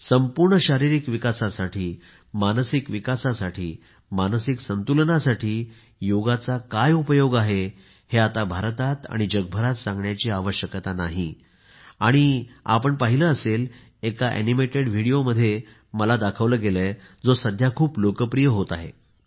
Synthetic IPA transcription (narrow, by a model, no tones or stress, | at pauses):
səmpuɾɳəɕaɾiɾikʋikasasaʈʰiː | mansikʋikasasaʈʰiː | manəsiksənt̪ulnasaʈʰiː | joɡat͡sakajupəjoɡaɦe | heat̪abʱaɾt̪at̪a̰ɽ̃id͡ʑəɡ̚bʱəɾat̪sãŋɡɳjat͡ɕiːaʋəɕjəkt̪anaɦi | aɽ̃ia̰pəɳpaɦiləəsel | ekaʔḛnimeʈeɽʋ̤ʱiɽijoməd̪ʱːje | məlad̪akʰəʋləːɡelə | d͡zosəd̪ʱjakʰuːplokəpɾijəɦot̪aɦe